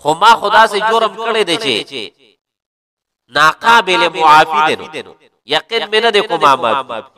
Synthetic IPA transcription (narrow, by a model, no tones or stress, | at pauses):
xomaːxʊd̪aːsed͡ʒoɾɐmkɐɽed̪et͡ʃʰḛ | naːqãːbelemoaːfid̪eno̰o | jɐqinmenɐd̪ekomaːma̰